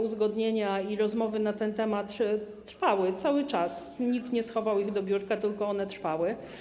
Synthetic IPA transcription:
uzɡɔd̪ɲeɲaiɾɔzmɔvɘnat̪ɛnt̪ɛmat̪ː | ɾfawɘt̪sawɘt͡ʂasɲikt̪ɲɛsxɔvawiɣd̪ɔbʲjuɾkat̪ɘlkɔɔnɛt̪ɾfawɘ

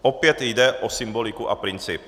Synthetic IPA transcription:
ʔɔpɪɛt̪jd̪ɛʔɔsimbolikuʔapɾint͡siːp

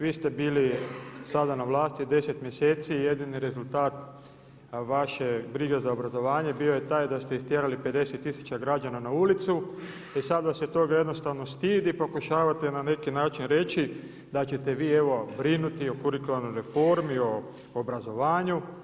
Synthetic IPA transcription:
ʋiːst̪e̞biːlisad̪anaʋlˠaːst̪id̪e̞set̪mje̞se̞ːt̪sije̞d̪iniɾe̞zult̪aːt̪ | ʋaʃebɾiːɡe̞zaobɾazo̞ʋaːɲe̞biːo̞je̞t̪aːjd̪ast̪eist̪jeɾalipe̞d̪e̞set̪ːisu̥t͡ɕaɡɾad͡ʒananaulit̪su | isad̪ʋasjet̪o̞ɡajeno̞st̪aʋno̞st̪iːd̪ipo̞kuʃaːʋat̪e̞nane̞kinaːt͡ʃinɾe̞t͡ʃi | d̪at͡ɕet̪e̞ʋiːe̞ʋo̞bɾinut̪io̞kuɾiklanojɾe̞fo̞ɾmio̞ | obɾazo̞ʋaːɲu

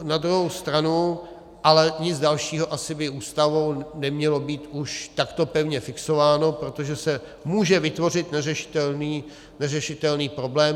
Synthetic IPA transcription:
nad̪ɾuɦowst̪ɾanu | ʔalɛɲɪd͡zdalʃiːɦo̞ʔasɪbɪʔuːst̪avownɛmɲɛlo̞biːt̪uʃt̪akt̪o̞pɛvɲɛfɪkso̞vaːno̞pɾo̞t̪o̞ʒɛsɛ | muːʒɛvɪt̪vo̞r̝ɪt̪nɛrɛʃɪ̥t̪ɛlniː | nɛrɛʃɪt̪ɛlniːpɾo̞blɛːm

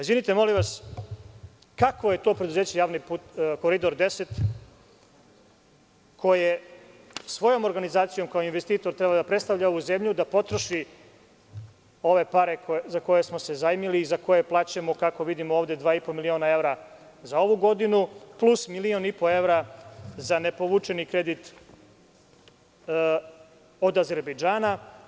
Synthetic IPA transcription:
izʋinit̪emo̞liʋas | kakʋoje̞t̪o̞ːpɾe̞d̪uze̞ːt͡ɕejaːʋniput̪ko̞ɾid̪o̞ɾd̪e̞se̞t̪ | kʰo̞je | sʋo̞jo̞mo̞ɾɡanizaːt̪sijo̞mkaoinʋest̪iːt̪o̞ɾt̪ɾebad̪apɾest̪aʋʎao̞ʋuze̞mʎud̪apo̞t̪ɾoʃi | o̞ʋe̞paɾe̞kzako̞je̞smose̞zaimiliːzako̞je̞plˠaːt͡ɕemo̞kako̞ʋid̪imooːʋd̪e̞d̪ʋaːipomilio̞ːnae̞vɾa | zao̞ʋuɡo̞d̪inuplˠusmilio̞nipo̞e̞ʋɾazane̞po̞ʋut͡ʃe̞nikɾe̞d̪it̪ | od̪aze̞ɾbejd͡ʒaːna

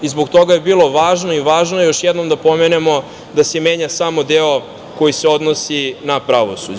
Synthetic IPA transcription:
izboɡt̪o̞ɡaje̞biːlˠo̞ʋaːʒnoiʋaːʒnojo̞ʃjɛd̪no̞md̪apo̞menemo̞ | d̪aseme̞ːɲasamo̞d̪eo | ko̞jiseo̞d̪nosinapɾaʋosṵd͡ʑ

